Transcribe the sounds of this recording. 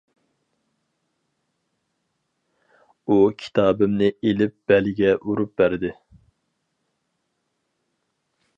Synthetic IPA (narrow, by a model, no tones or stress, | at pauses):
ukʲʰi̥t̪ʰɑːbɪmnɪʔelɪp̚b̥ɛlɪɡʲɛʔuɾup̚bæɾd̪ɪ